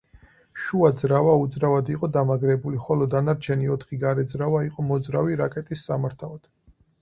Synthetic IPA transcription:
ʃuad̪zɾavaud̪zɾavad̪iqʼɔd̪amaɡɾɛbuliχɔlɔd̪anaɾt͡ʃʰɛniɔt̪ʰχiɡaɾɛd̪zɾavaiqʼɔmɔd̪zɾaviɾakʼɛt̪ʼisːamaɾt̪ʰalad̪̥

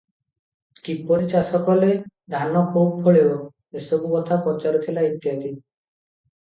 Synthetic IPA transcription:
kipɔɾit͡ʃasɔkɔled̪ʱanɔkʰub̚pʰoɭebɔ | esɔbukɔt̪ʰakɔt͡ʃaɾɔt̪ʰilait̪jat̪i

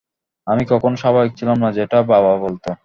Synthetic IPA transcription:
amikɔkʰonoʃabaik̚t͡ɕʰilamnad͡ʑeʈababʱabolt̪o

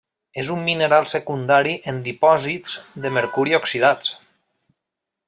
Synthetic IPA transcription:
ezumːinəɾalˠsekund̪aɾiʔend̪ipɔziz̥ðəmeɾkuɾioksiðat͡s

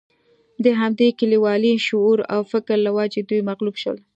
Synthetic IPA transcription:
d̪əɦamd̪ekəliwɑliʃʊuɾa̰wfɪkɾlawɑd͡ʒed̪ujmaɣlubʃə̰l

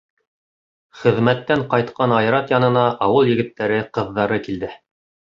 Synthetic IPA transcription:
χɘ̆ðmæt̪ːæɴqɑjt̪̚qɑnɑjɾɑt̪jɑnɤ̆nɑʔɑwɤlˠjɘ̆ɡɘ̆t̪ːæɾɘqɤ̆ðːɑɾɤkild̪ɘ

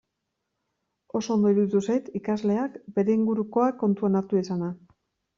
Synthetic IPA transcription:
o̞so̞ːnd̪o̞iɾut̪usajt̪ikazle̞akbe̞ɾe̞iŋɡuɾuko̞akːo̞nt̪uanaɾt̪uesana

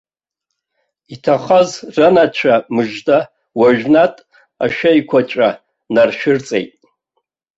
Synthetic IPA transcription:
itʰaχazranat͡ʃʷʰamɨʒda | waʒᶣnatʼ | a̰ʃᶣajkʷʰat͡ʃʷʼa | narʃᶣɪrt͡sʼḛjtʼ

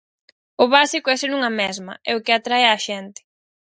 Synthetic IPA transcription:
ʊβasikʊɛsenuŋɐmɛzmɐ̰ɛʊkɪat̪ɾaeaʃɛnt̪ɪ̥

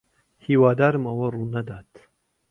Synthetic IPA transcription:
hiːwaːd̪aːɾɨmɐwɐruːnɐd̪aːt̪

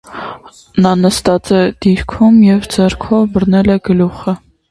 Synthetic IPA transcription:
nɑnəst̪ɑt͡sɛd̪̥iɾkʰumjɛvd͡zɛɾkʰɔvbəɾnɛlɛɡəluχə

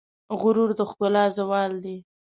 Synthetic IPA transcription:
ɣʊɾuɾd̪əxk̪ʊlɑzawɑld̪i

